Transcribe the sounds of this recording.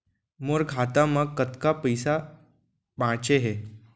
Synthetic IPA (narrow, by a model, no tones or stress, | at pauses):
moɾɡʱat̪amakːət̪kapəjsa | bãt͡ɕeɦe